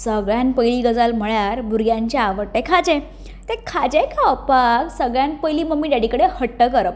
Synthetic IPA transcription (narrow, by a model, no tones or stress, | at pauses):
səɡɭjanpəjliːɡəd͡zalm̤əɭjaɾbʱuɾɡjãɲt͡ɕaaʋəɾʈːẽkʰad͡ʑẽ | t̪ẽkʰad͡ʑekaəpaksəɡɭjanpəjliːməmːiːɖaɽikəɽehəʈːəkəɾəp̚